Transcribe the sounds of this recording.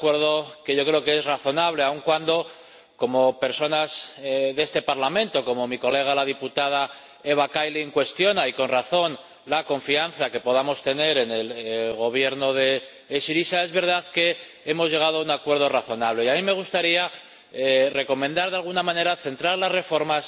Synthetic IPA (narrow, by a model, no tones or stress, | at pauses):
akwe̞ɾð̞o̞ke̞ʝo̞kɾe̞okeezraθo̞naβle̞auŋkwand̪o̞ | ko̞mo̞pe̞ɾso̞nasðe̞st̪e̞paɾlamẽ̞nt̪o̞ko̞mo̞miko̞le̞ɣ̞alaðiput̪að̞a | e̞β̞akajleŋkwe̞st̪jo̞naiko̞nraθo̞n | lako̞ɱfianθake̞po̞ð̞amo̞st̪e̞ne̞ɾe̞ne̞lɣo̞β̞je̞ɾno̞ðe̞ː | siɾisae̞zβe̞ɾð̞aðke̞ | e̞mo̞zʝe̞ɣ̞aðoauŋakwe̞ɾð̞o̞raθo̞naβ̞le̞iamime̞ɣ̞ust̪aɾia | re̞ko̞mẽnd̪aɾðealɣ̞unamãne̞ɾaθe̞nt̪ɾaɾlasre̞fo̞ɾmas